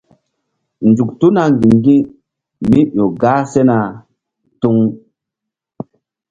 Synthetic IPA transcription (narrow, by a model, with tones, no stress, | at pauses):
nd͡ʒu˨ktu˦na˨ŋ˨ɡĩ˨ŋɡĩ˦ | mi˦jo˨ɡaː˦se˦na˨ | tu˦ŋ